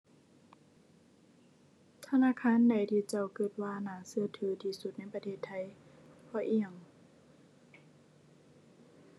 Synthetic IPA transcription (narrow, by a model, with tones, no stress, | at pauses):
t̪ʰa˧naː˧˥˨kʰaː˧˥˨nda˨˩jt̪ʰiː˧˩t͡ɕa˧˩wkɤ˧˩t̪̚waː˧naː˨˩˦sɯ˧˨t̪ʰɯː˨˦t̪ʰiː˧su˧t̪̚na˧˥˨jpa˧t̪ʰeː˧˩t̪ʰːa˧˩jpʰɔː˧˩ʔi˧˩əŋ